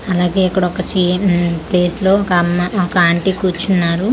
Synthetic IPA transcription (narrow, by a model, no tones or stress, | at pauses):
ɐlaːɡeːikːɐɽɔkɐt͡ʃipleːslo̞ːkɐmɔkɐaːɳʈikuːt͡ʃunːaːɾu